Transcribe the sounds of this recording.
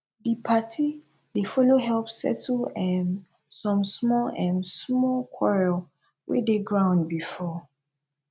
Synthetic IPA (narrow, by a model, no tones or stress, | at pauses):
dipʰatʰi | defɔloɦɛlpsɛ̰tlɛ̃n | sɔ̃msmɔlɛ̃nsmɔlkʰwɔɹɛl | wʔḛdeɡɹãʊ̃ndbifɔ